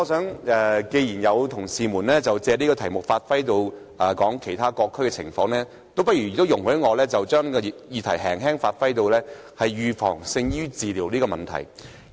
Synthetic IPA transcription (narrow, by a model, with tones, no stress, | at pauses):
ŋɔː˨˧sœː˨˥ŋɛ˧ke˧jiː˨˩njɐ˨˧wt̪ʰʊ˨˩ŋsiː˨˧muː˨˩nlɛː˥t͡sɐ˨wt͡sɛː˨˧niː˥kɔː˧t̪ʰɐ˨˩jmʊ˨˩k̚faː˧t̚fɐ˥jt̪o˧w | ɛː˨kɔː˨˥ŋkʰe˨˩jt̪ʰaː˥kɔː˧kʰːɵ˥ɥkɛ˧t͡sʰɪ˨˩ŋfɔː˧˥ŋlɛː˥ | t̪o˥wp̬ɐ˥t̚jy˨˩jɪ˨k̚t̪ːwjʊ˨˩ŋhɵ˨˥ɥŋɔː˨˧lɛː˥t͡sɐ˨wt͡ʃœː˥ŋnkɔ˧ji˨jiː˧t̪ʰɐ˨˩jɦɛː˨˩ŋɦɛː˥ŋfaː˧t̚fɐ˥jt̪o˧wlɛː˥ | hɐ˨jɥyː˨fɔ̰ː˨˩ŋsɪ˧ŋjyː˥t͡siː˨liː˨˩wliː˥kɔː˧mɐ˨nt̪ʰɐ̰˨˩j